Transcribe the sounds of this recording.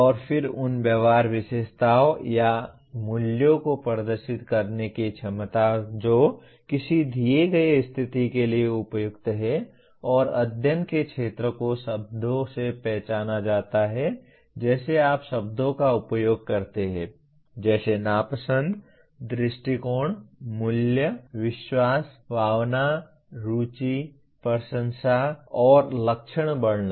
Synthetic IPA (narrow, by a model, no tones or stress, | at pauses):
ɔːɾfʰɪɾʊnbjəʋaːɾʋɪʃeːʃt̪aːoja | mʊljõkopəɾəd̪əɾʃɪt̪kɐɾnekit͡ʃʰɐmt̪ad͡ʒoː | kɪsid̪ʱijeɡɐeɪst̪ʰɪt̪ikelieʊpjʊɡt̪ɦɛ | ɔːɾɐ̰d̪ʱjənkekʃʰeːt̪ɾəkoʃɐb̚d̪ʱõsepɛɦt͡ʃaːnad͡ʒaːt̪aɦɛ | d͡ʒɛːseaːpʃɐb̚d̪ʱõkaʊpjoːɡ̚kɐɾt̪eɦɛ̃ː | d͡ʒɛːsenaːpəsə̃nd̪ | d̪ɾɪʃʈikoːɳ̃mʊljəʋɪʃwaːsbʱaːwna | ɾuːt͡ʃi | pəɾʃə̃nsaɔːɾlɐkʃəɽ̃bɐɽna